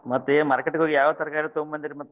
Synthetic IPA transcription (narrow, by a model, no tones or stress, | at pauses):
mɐt̪ːemɐɾkeʈːɡɦoːɡijaːʋɐt̪ɐɾkaːɾit̪ombmɐnd̪iɾimɐt̪ː